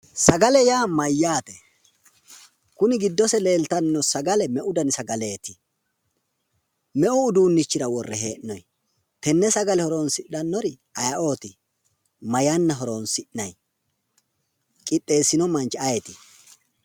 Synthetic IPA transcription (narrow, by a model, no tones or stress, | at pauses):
sɐɡɐlɛjaːmɐjːaːt̪ɛ | kʊnɪɡɪd̪ːɔsɛle̞ːlt̪ɐnːɔsɐɡɐlɛmɛʔʊd̪ɐnɪsɐɡɐle̞ːt̪ɪ̥ | mɛʔʊːd̪uːnːɪt͡ʃːɪɾɐwɔrːɛɦe̞̰ːʔnɔj | t̪ɛnːɛsɐɡɐlɛhɔɾoːnsɪʔɐnːɔɾɪ | ɐjɐʔo̞ːt̪ɪ | mɐjɐnːɐɦɔɾoːnsɪʔnɐj | kʼɪɗːe̞ːsːɪnɔmɐnt͡ʃːɛɐjɛt̪ɪ